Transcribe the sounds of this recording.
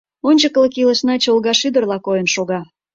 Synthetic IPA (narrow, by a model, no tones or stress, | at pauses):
onʲt͡ɕəkləkilə̆ʃnɑt͡ɕoolɣɑʃyd̪ərlɑkojənʃoɣɑ